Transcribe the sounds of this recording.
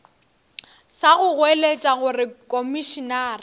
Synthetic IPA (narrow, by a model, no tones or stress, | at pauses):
saɣʊɣwelet͡ʃʼaɣʊrɪkʼomiʃinaːrɪ